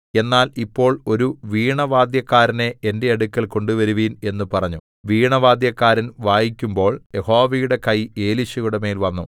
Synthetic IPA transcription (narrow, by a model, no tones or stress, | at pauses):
e̞nːaːlipːo̞ːɭo̞ɾuʋiːɳɐʋaːd̪jɐkːaːɾɐneende̞ɐɽukʲːɐlko̞ɳɖuʋɐɾuʋiːne̞nːupɐrɐɲːu | ʋiːɳɐʋaːd̪jɐkːaːɾɐnʋaːjikʲːumbo̞ːɭje̞ho̞ːʋijuɽe̞kɐje̞ːliɕɐɣuɽeme̞ːlʋɐnːṵ